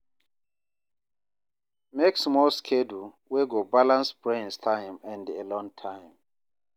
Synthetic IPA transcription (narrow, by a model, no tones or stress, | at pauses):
meksmɔlskʰɛdu | weɡobalãnsbɹẽnstʰãjmɛ̃ndɛlɔ̃ŋtʰãjm